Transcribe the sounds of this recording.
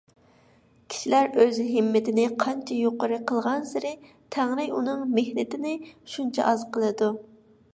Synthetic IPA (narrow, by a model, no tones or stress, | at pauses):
kʲʰi̥ʃilæɾøzɦɪmːɪt̪ʰɪnɪqʰɑnt͡ʃʰɛjoqəɾɨqʰəlˠʁɑnsɪɾɪ | t̪ʰæŋɾɪjunɨŋmehnɪt̪ɪnɪʃunt͡ʃʰɑ̰ʔɑzqʰəlˠɨd̪u